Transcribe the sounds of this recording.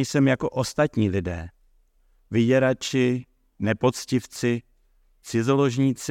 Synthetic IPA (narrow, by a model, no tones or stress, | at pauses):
jsɛmjako̞ʔost̪at̪ɲiːlɪdɛ̰ː | vɪɟɛɾat͡ʃɪ | nɛpo̞t͡scɪft͡sɪ | t͡sɪzolo̞ʒɲiːt͡s